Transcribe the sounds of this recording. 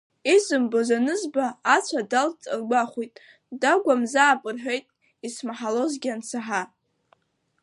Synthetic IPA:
izɨmbozanɨzbaːt͡sʷʰadalt͡sʼɨrɡʷaχʷujtʼ | daɡʷamzaːpʼɨrħʷᶣe̞jtʼ | ismaħalo̞zɡʲant͡sʰaħa

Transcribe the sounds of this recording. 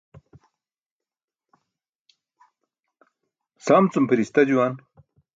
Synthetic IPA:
samt͡sumpiɾist̪ɐd͡ʑuwan

